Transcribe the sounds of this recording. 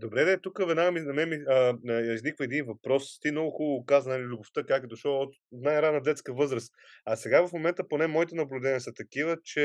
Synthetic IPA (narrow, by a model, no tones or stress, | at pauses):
d̪obɾɛd̪ɛt̪ukəvɛd̪naɡminɐmɛmiəiznikvəɛd̪invɐpɾɔst̪imnɔɡʊxulˠəkazənlʲilʲʊboft̪əkakəd̪oʃɔot̪ | najɾanəd̪ɛt̪skəvɤzɾəs | ɐsɛɡavɐfmomɛnt̪əponɛmɔit̪ɛnɐblʲʊd̪ɛnʲiəsət̪ɐkivət͡ʃɛ